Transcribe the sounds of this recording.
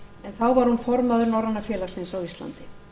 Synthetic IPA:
ɛnθawvaɾhunfɔɾmaðʏɾnɔrːanːafjɛːlasɪnsawist̪la̰nt̪ɪ

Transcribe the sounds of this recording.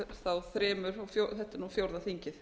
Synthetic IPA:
θawθɾɛːmʏɾɔfjoθɛht̪ːɪɾnuːfjowɾðaθiɲcɪθ

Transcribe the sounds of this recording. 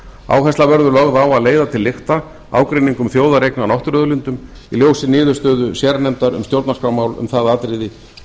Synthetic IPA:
a̰ːwɦɛst̪lavɛɾðʏlɔɣðawaðleːjðat̪ʰɪlːɪxt̪a | a̰ːwkɾejniŋkʏmθjoːwðaɾejknanɔwht̪ɾœðʏlɪnt̪ʏm | iljoːwsɪnɪːðʏɾst̪œːðʏsjɛːɾanɛmt̪aɾʏ̰mst̪jowɾt̪naskɾawmaːwlʏ̰mθaðaaːt̪ɾɪðɪ

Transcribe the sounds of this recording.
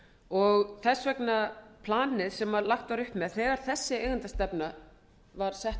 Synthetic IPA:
ɔɣθɛsvɛknapʰlaːnɪðsɛmvaɾlaxt̪vaɾʏhpmɛðθɛːɣaɾ̥θɛsːɪeːjɣʏnt̪ast̪ɛpna | vaɾ̥sɛht̪

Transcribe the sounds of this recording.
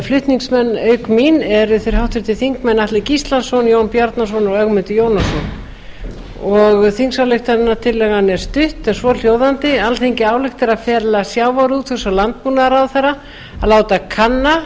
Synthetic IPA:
flʏht̪niŋksmɛnːœːɥkminɛɾʏθɪɾ̥hawht̪ʏɾt̪ʰɪθiŋkmɛnːaht̪lɪcist̪lansɔnjoːwnpjaɾt̪nasɔnɔɣœɣmʏnt̪ɪjoːwnasɔn | ɔɣθiŋksawlɪxt̪aðɪnːat̪ʰɪlːɛɣanɛɾ̥st̪ʏht̪ɛ̥svɔl̥joːwðant̪ɪalθejɲcɪaːwlɪxt̪ɪɾaðfɛːlasjawvaɾuːt̪ʰfɛsalant̪̚punaɾawθeɾa | alaːwt̪akʰanːa

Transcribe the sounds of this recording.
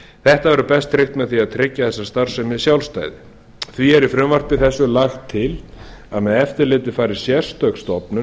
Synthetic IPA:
θɛht̪avɛɾʏpɛst̪ʰːɾɪxt̪mɛðθiaðt̪ʰɾɪcːaθɛsːast̪aɾ̥sɛmɪðsjawlst̪a̰ːjðɪ | θviɛɾifɾʏmvar̥pɪθɛsːʏlaxt̪ʰːɪlaðmɛðɛft̪ɪɾlɪːt̪ɪfaːɾɪɾ̥sjɛɾ̥st̪œkst̪ɔpnʏ

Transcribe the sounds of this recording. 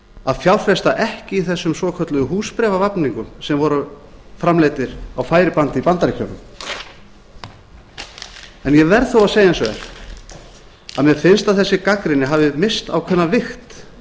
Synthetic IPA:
aðfjawɾ̥fɾɛst̪aʔɛhcɪiθɛsːʏmsvɔːkʰœt̪lʏðʏɦuːspɾɛːvavapniŋkʏmsɛmvɔɾʏfɾamleːjt̪ɪɾawfaːjɾɪpant̪ɪipant̪aɾɪcʰœwnʏm | ɛnjɛvɛɾðθowaðseːjaɛnsœðɛ̰ɾ̥ | a̰ðmɛðfɪnst̪aðθɛsːɪkakɾɪnːɪɦaːvðɪmɪst̪a̰wkʰvɛnːavɪxt̪

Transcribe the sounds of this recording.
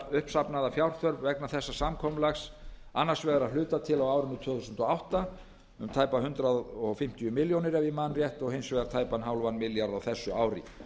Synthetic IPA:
ʏhpsapnaðafjawɾ̥θœɾvvɛknaθɛsːasamkʰɔmlaxsanːar̥svɛːɣaɾaðlʏːt̪at̪ʰɪlawaːwɾɪnʏt̪ʰʏːθusʏnt̪ɔawht̪a | ʏmt̪ʰaːjpaɦʏnt̪ɾaðɔfɪm̥t̪ijʏmɪljownɪɾɛvɪmanrjɛht̪ɔɣhejnsvɛːɣaɾ̥t̪ʰaːjpanɦawlvanmɪljaɾðawθɛsːʏaːwɾɪ̰

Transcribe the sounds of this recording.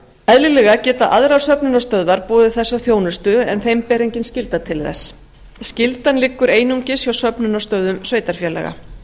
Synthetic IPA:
ɛðlɪlɛɣacɛːt̪aʔa̰ðɾawsœpnʏnast̪œðvaɾpɔːðɪθɛsːaθjoːwnʏst̪ʏɛ̰nθejmpɛːɾiɲcɪnscɪlt̪at̪ʰɪlθɛ̰sː | scɪlt̪anlɪkːʏɾeːjnuŋcɪsjawsœpnʏnast̪œːðʏmsveːjt̪aɾ̥fjɛlɛ̰ɣa̰

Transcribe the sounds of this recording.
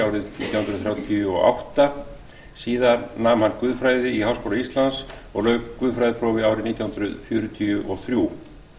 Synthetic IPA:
awɾɪðniːt̪jahʏnɾðθɾjaːwt̪ʰjʏɔ̰ʔa̰wht̪a | siːðaɾnaːmhankʏðfɾaːjðɪiɦawskowlaist̪lans | ɔɣlœːvʏðfɾajðɪpʰɾɔːwvɪaːwɾɪniːt̪jawhʏnɾʏðfjœːɾʏt̪ʰiʏʔɔθɾju

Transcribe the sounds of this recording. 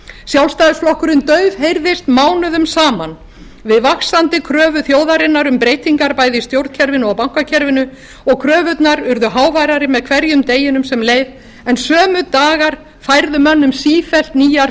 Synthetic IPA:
sjawlst̪ajðʏsflɔhkʏɾɪnt̪œɥvhejɾðɪst̪maːwnʏðʏmsaːman | vɪðvaksant̪ɪkʰɾœːvʏθjoːwðaɾɪnːaɾʏmpɾeːjt̪iŋkaɾpajðɪst̪jowɾt̪cʰɛɾvɪnawpawŋ̥kacʰɛɾvɪnʏ | ɔɣkʰɾœːvʏt̪naɾʏɾðʏɦaːwvajɾaɾɪmɛðkʰvɛɾjʏmt̪eːjɪnʏmsɛmleːjv | ɛnsœːmʏt̪aːɣaɾ̥ | fajɾðʏmœnːʏmsiːfɛl̥t̪niːjaɾ

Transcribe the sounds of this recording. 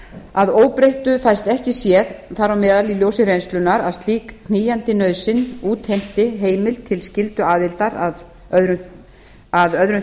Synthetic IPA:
aðoːwpɾejht̪ʏfajst̪ɛhcɪsjɛðθaɾawmɛːðaliljowsɪɾejnst̪lʏnːaɾaðst̪liːkʰniːjant̪ɪnœːðsɪnuːt̪hejm̥t̪ɪɦeːjmɪlt̪ʰɪlscɪlt̪ʏaːðɪlt̪aɾað | œðɾʏ | aðœðɾʏn

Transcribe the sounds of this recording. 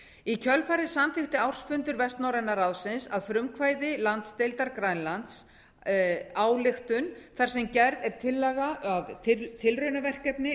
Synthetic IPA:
icʰœlfaːɾɪðsamθɪxt̪ɪawr̥sfʏnt̪ʏɾvɛst̪nawɾɛnːaɾawsɪnsa̰ðfɾʏmkʰvaːjðɪlant̪st̪ejlt̪aɾkɾajnlant̪s | aːwlɪxt̪ʏnθar̥sɛmcɛɾðɛɾ̥t̪ʰɪlːɛɣaaðʰt̪ʰɪlrœɥnavɛr̥kɛpnɪ

